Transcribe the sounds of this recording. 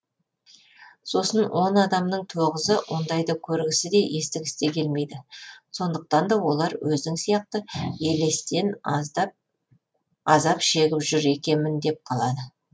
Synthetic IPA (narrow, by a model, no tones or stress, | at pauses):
so̞sənwʔo̞nɑd̪ɑmnəɴt̪ʰoʁəzəwʔo̞nd̪ɑjd̪ɑkʲʰɵɾɡʲɪsɪd̪e̞jʔe̞st̪ɪɡʲɪst̪e̞kʲʰe̞lme̞jd̪ɪso̞nd̪əq̚t̪ɑnd̪ɑwo̞lˠɑɾwɵznɪŋsijɑq̚t̪əje̞le̞st̪e̞n | ɑzɑpʃe̞ɡʲɪpʒʏɾe̞kʲe̞nmɪnd̪e̞p̚qʰɑlˠɑd̪ə